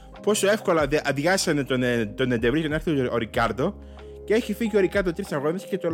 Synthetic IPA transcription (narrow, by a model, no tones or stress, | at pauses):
po̞soe̞fko̞lɐðeʔɐðʝɐsɐnet̪ont̪onend̪evɾienɐɾθioɾikɐɾd̪o | cee̞çifiʝio̞ɾikɐɾd̪ot̪ɾit̪sɐɣonescet̪o